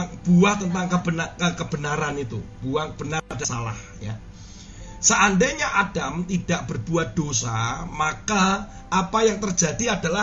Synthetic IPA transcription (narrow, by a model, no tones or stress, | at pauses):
b̥uaht̪ənt̪aŋkəbənakəkəb̥ənaɾanit̪ṵb̥uahb̥ənadasala̰h | ja̰ | səʔandeɲaʔad̥amt̪id̥aʔ̚b̥ərb̥uat̪̚d̪̥osamaka | ʔapajaŋt̪ərd͡ʒadiad̥ala